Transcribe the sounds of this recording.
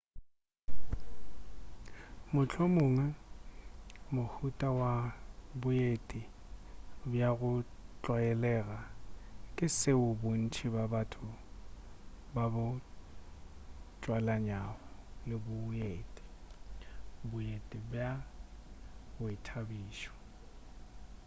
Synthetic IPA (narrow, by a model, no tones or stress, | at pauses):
mʊt͡ɬʰomʊːŋa | mʊhutʼawabʊjetʼi | bjaɣʊt͡ɬʼwajɛlɛːɣakʼɪsɪʊbʊn̩t͡ʃʰibabatʰʊ | babʊ | t͡ʃʼwalaɲaɔlɪbʊjeːtʼi̥ | bʊjetʼibja | ɣʊɪtʰabiːʃɔ̥